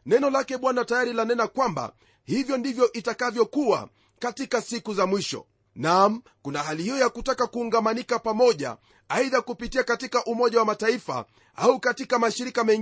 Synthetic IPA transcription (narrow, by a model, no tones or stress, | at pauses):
nɛnɔlakɛɓwanatajaɾilanɛnakwamba̰ | hivjɔndivjɔʔitakavjɔkua̰ | katikasikuzamwiʃɔ̰ | nam̩kunaɦalihijɔjakutakakuːŋɡamanikapamɔʄa̰ | aiðakupitiakatikaʔumɔʄawamataifa̰ | aukatikamaʃiɾikamɛŋ